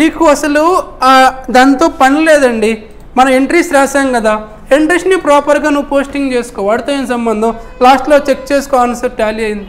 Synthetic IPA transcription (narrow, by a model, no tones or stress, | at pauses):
niːkuɐsɐlu | d̪aːnt̪o̞ːpɐnilɛːd̪ɐɳɖi | mɐnɐme̞ɳʈɾiːsɾaːsaːmkɐd̪aː | eɳʈɾisnipɾaːpɐɾɡaːnuʋpo̞ːsʈiŋɡt͡ʃeːsu̥kɔːʋaːɽut̪oeːnis̬ɐmbɐnd̪ɐmlaːsʈloːt͡ʃe̞k̚ːt͡ʃeːsu̥kɔːʋɐnɐsɐɾʈaːliɐjind̪i